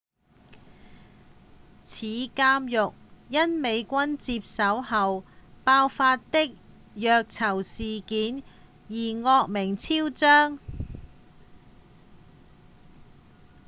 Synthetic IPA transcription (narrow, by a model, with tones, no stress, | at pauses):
t͡sʰiː˨˧kaː˥mjʊ˨k̚jɐ˥nme˨˧jkʷɐ˥nt͡siː˧p̚sɐ˨˥whɐ˨wpaː˧wfaː˧tt̪ɪ˥k̚ | jœː˧k̚t͡sʰɐ˨˩wsiː˨kiː˨˥n | jiː˨˩ŋɔː˧k̚mɪ˨˩ŋt͡sʰiː˥wt͡sœː˥ŋ